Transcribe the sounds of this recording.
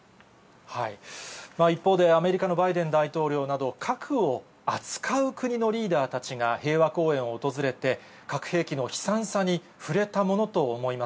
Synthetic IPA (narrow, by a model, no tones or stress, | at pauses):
haimaːipːo̞ːd̪e̞ame̞ɾʲikano̞baid̪ẽ̞nd̪ait̪o̞ːɾʲo̞ːnad̪o̞kʰakʰɯ̟o̞ | at͡sɨ̥kʰaɯ̟kɯ̟ɲ̟ino̞ɾʲiːd̪aːt̪at͡ɕiɡahe̞ːβako̞ːẽ̞ɰ̃o̞ːt̪o̞zɨɾe̞t̪e̞ | kakɯ̟̥he̞ːkʲino̞çi̥sãsaɲ̟i | ɸɯ̟ɾe̞t̪amo̞no̞t̪o̞ːmo̞imas